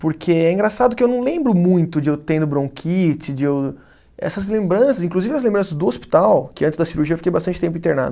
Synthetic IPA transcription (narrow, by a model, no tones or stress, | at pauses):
poɾkʰeɛĩŋɡɾasad̪ʊkɪewnɐ̃w̃lẽmbɾʊmũj̃t̪ʊd͡ʒɪewt̪ẽnd̪ʊbɾõkʰit͡ʃɪd͡ʒɪew | ɛ̰sɐzlẽmbɾɐ̃sɐzĩŋkluzivɪɐzlẽmbɾɐ̃sɐzd̪ʊospi̥t̪awkɪ̃nt͡ʃɪzd̪ɐsiɾuɾʒiɐfi̥kejbast̪ɐ̃nt͡ʃɪ̥t̪ẽpʊĩt̪eɾna̰d̪ʊ